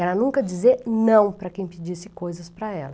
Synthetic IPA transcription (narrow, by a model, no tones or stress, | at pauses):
ɛɾɐnũŋkɐd͡ʒizeɾnɐ̃w̃pɾɐkẽj̃ped͡ʒisɪkojzɐspɾɐɛlɐ